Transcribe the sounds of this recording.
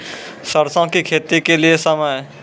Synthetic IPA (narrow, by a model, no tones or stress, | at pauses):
səɾsãõkikʰeːt̪ɾikeliesəməj